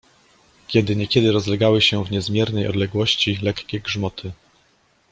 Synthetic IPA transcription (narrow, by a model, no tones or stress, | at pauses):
kʲɛd̪ɘɲɛkʲɛd̪ɘɾɔzlɛɡawɘɕɛvɲɛzmʲjɛɾnɛjɔ̰d̪lɛɡwɔɕt͡ɕilɛkkʲɛɡʐmɔt̪ʰɘ